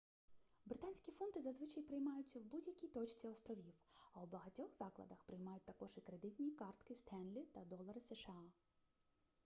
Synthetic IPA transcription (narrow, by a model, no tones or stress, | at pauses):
bɾɪt̪ɑnʲsʲkʲifɔnt̪ɪzɐzʋɪt͡ʃɐjpɾɪjmɑjʊt͡sʲːɐwbudʲjɐkʲijt̪ɔt͡ʃt͡sʲiɔst̪ɾɔʋʲiwɐwbɐɦɐtʲɔxzɑklˠɐ̰d̪ɐxpɾɪjmɑjʊt̚ʲt̪ɐkɔʒikɾe̞d̪ɪtʲnʲikɑrt̪kɪst̪ɛnlʲit̪ɐd̪ɔlˠɐɾɪseʃeɑ